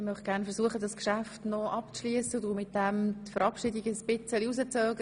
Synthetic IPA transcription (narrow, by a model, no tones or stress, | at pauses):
mœχ̚ɡ̥æːʁnfəʁsuəχədɑskʃæftnɔʔɑpt͡sʃliəsədumɪt̚dɛmtfœɾɑpʃidiɡəsb̥ɪt͡səliuzət͡sœːɡə